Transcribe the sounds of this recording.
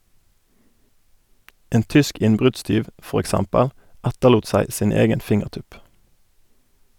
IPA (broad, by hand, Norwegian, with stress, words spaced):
ˈeːn ˈtʏsk ˈɪnbʁʉdˌstyːʋ ˈfɔʁ ɛkˈsɛmpəl ˈɛtəluːt ˈsæɪ ˈsiːn ˈeːɡən ˈfɪŋəʁˌtʉp